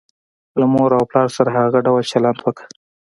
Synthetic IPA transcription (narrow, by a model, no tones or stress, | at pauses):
lamoɾawplɑɾsaɾahaɣaɖawalt͡ʃalant̪wəkḁ